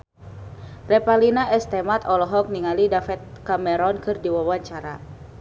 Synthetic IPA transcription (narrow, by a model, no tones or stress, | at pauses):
rɛpalinaʔɛst̪ɛmat̪ɔlɔɦɔk̚niŋalidafɛt̪̚kamɛɾɔnkɨrdiwawaɲt͡ʃaɾa